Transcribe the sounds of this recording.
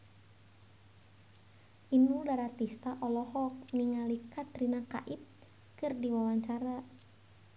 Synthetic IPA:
ʔinudaɾat̪ist̪aʔɔlɔɦɔk̚niŋalikat̪rinaka̰ʔit̪̚ | kɨrdiwawaɲt͡ʃaɾa

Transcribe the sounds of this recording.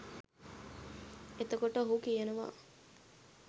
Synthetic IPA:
et̪əkoʈəɦukijenuʋa̰ː

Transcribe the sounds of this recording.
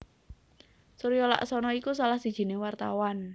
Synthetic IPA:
suɾjɔla̰ʔsɔnɔikusalahsi̥ʒ̥i̤newart̪awan

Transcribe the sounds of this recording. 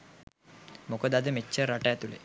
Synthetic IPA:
mokəd̪ad̪əmet͡ʃːəɾaʈəæt̪ulḛ

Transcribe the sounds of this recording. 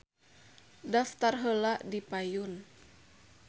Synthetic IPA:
daft̪arɦəlaʔdipajun

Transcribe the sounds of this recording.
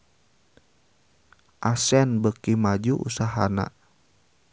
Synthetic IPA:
ʔasɛnbəkimad͡ʒuʔṵsaɦana̰

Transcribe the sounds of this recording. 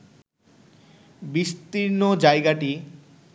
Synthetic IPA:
biʃt̪iɾnod͡ʑajɡaʈi

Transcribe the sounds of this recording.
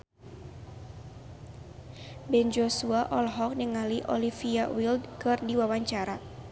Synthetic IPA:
bɛnd͡ʒosuaʔɔlɦɔk̚nəŋaliʔɔ̰lifiawildkɨrdiwawaɲt͡ʃaɾa

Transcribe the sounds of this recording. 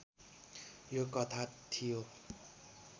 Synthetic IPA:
jokʌt̪ʰat̪ʰijo

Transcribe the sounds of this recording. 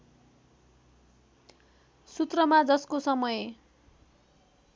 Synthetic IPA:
sut̪rʌmad͡zʌskosʌmʌje

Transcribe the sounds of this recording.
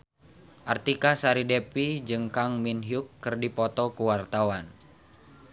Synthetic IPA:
ʔart̪ikasaɾidepid͡ʒɨŋkaŋminɦjukːɨrdipɔt̪ɔkuwart̪awan

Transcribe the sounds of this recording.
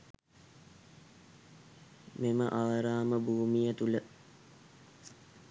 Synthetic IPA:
meməʔaʋəɾaːməbʱuːmijət̪ulə

